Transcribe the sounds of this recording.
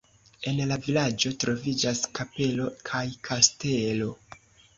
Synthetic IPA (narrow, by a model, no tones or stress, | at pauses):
e̞nlavilad͡ʒo̞tɾo̞vid͡ʒaskape̞lo̞kʰajkʰaste̞lo̞